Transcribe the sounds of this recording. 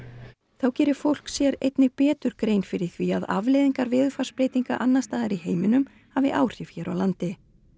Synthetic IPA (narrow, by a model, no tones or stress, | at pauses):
θawcɛːɾɪ̥fowl̥ksjɛɾejt̪nɪpɛːt̪ʏɾ̥kɾejnfɪɾɪ̥θviaða̰vlejðiŋkaɾvɪːðʏfḁspɾeːjt̪iŋka̰ʔanːast̪aːðaɾiheːjmɪnʏm | havɪʔaːwr̥jɪfçɛːɾawlant̪ɪ